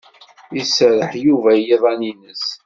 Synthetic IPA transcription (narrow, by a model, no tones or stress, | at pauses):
isɾəħjuvæjeðˤæninəs